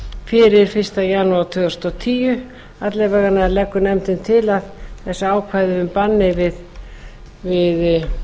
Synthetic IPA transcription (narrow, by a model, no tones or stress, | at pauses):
fɪɾɪɾ̥fɪr̥st̪ajaːnuawt̪ʰʏːɣʏ̥st̪ɔt̪ʰiːjʏ | at̪lɛvaɣanaɛɾlɛkːʏnɛmt̪ɪnt̪ʰɪlaðθɛsːaaːwkʰvajðʏʏmpanːɪvɪð | vɪð